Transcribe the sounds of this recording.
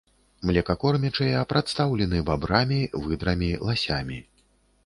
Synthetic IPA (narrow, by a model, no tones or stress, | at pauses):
mlʲɛkakɔrmʲɛt͡ʂɐjɛpɾat̪st̪awlʲɛnɨbabɾamʲivɨd̪ɾɐmʲilˠasʲamʲi